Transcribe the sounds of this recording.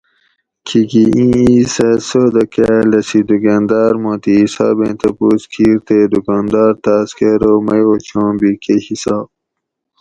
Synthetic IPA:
kʰiɡiĩisesod̪ɐkalɐsid̪uɡaːnd̪ɑːɾmõːt̪iɦisɑ̰ːbḛ̃t̪ɐpuːskʰiːɾt̪ed̪ukɑːnd̪ɑːɾt̪aːskeɾomɐjot͡ɕʰõːbikehisaːb

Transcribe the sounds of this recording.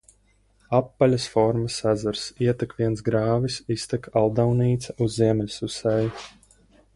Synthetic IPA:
apːalʲasfɔɾmasæzaɾsiɛt̪ɛkviɛnsɡɾaːvisist̪ɛkalˠd̪awniːt̪saʔuzːiɛmʲɛlʲsusɛj

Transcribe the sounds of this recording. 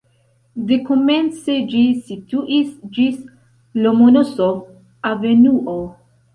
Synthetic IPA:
d̪ekomensed͡ʒisit̪uʔisd͡ʒis | lomonoso | avenuʔo

